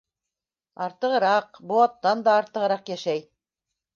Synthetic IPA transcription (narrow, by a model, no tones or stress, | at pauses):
ɑɾt̪ɤ̆ʁɤ̆ɾɑqboɑt̪ːɑnd̪ɑːɾt̪ɤ̆ʁɤ̆ɾɑqjæʃæj